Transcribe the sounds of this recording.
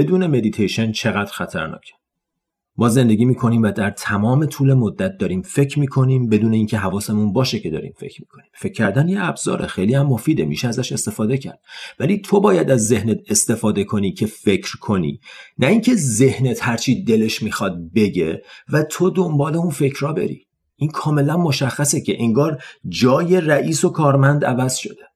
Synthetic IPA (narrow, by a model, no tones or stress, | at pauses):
b̥e̞d̪uːne̞me̞d̪it̪ʰejʃent͡ʃʰe̞ɣæːd̪ɾxæt̪ʰæɾnɒ̰ːcʰe̥ | mɒːze̞nd̪e̞ɡʲiːmiːkʰo̞niːmvæd̪æɾt̪ʰæmɒːme̞t̪ʰuːle̞mod̪ːæt̪̚d̪ɒːɾiːmfe̞cʰɾmiːkʰo̞niːmbe̞d̪uːne̞iːncʰe̞ɦævɒːse̞munbɒːʃecʰe̞d̪ɒ̰ːɾḭːmfe̞̰cʰɾmiːkʰo̞niːmfe̞cʰːæɾd̪ænjeæbz̥ɒ̰ːɾʔexe̞jliːhæmːo̞fiːd̪emḭːʃeæzæʃe̞st̪e̞fɒːd̪e̞cʰæ̰ɾd̥̪væliːt̪ʰobɒːjæd̪æzːe̞hnet̪̚ʰe̞st̪e̞fɒːd̪e̞kʰo̞niːcʰe̞fe̞cʰɾkʰo̞nḭːnʔæiŋcʰe̞ze̞hne̞t̪hæɾt͡ʃʰiːd̪e̞le̞ʃmiːxɒːd̪̚be̞ɟe̞̰væt̪ʰo̞d̪ombɒːle̞unfe̞cʰɾɒːbe̞̰ɾḭː | inkʰɒːme̞lænmo̞ʃæxːæsecʰe̞ʔiŋɡɒːɾd͡ʒɒːje̞ræʔiːsokʰɒːɾmænd̪ævæz̥ʃo̞̰d̪̥e